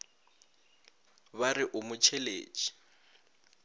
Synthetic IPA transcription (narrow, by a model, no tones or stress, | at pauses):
βarɪʔʊmʊt͡ʃʰɛlḛːt͡ʃʼi̥